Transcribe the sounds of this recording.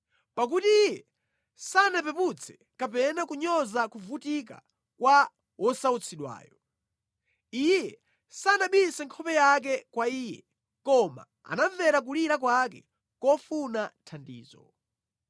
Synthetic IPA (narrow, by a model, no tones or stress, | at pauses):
pak̬utijɛ | sanapɛput͡sʰɛ̥ | kapɛnakuɲɔzakuvutika̰ | kwa | wɔsaut͡sʰiɗwa̰ːjɔ | ijjɛ | sanaɓisɛŋkʰɔpɛjak̬ɛkwaiːjɛ̰ | kɔma̰ | a̰navɛɾak̬uliɾakwakɛ̰ | kɔfunatʰandḭːzɔ